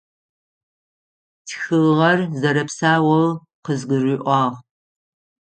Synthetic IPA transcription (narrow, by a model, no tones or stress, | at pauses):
tʰxɨʁɐrzɐɾɐpsaːwɐl | qəzɡʷɨriːʔʷɑːʁ